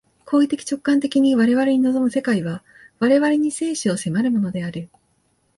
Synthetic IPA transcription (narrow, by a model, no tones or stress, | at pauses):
kʰo̞ːit̪e̞kʲi̥t͡ɕo̞kːãnt̪e̞kʲiɲ̟iβaɾe̞βaɾe̞ɲ̟ino̞zo̞mɯ̟se̞kaiβa | βaɾe̞βaɾe̞ɲ̟ise̞ːɕio̞se̞maɾɯ̟mo̞no̞d̪e̞aɾɯ̟